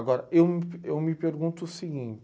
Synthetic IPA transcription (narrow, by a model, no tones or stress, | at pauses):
ɡɔɾɐewmewmɪpeɾɡũnt̪ʊːsiɡĩt͡ʃ